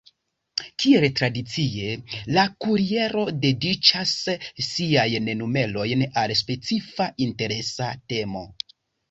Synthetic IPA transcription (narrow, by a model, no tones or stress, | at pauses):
kieltɾadit͡sie̞lakuɾie̞ɾo̞de̞dit͡ʃasːiajne̞nume̞lo̞jnalspe̞t͡sifaʔinte̞ɾe̞sate̞mo̞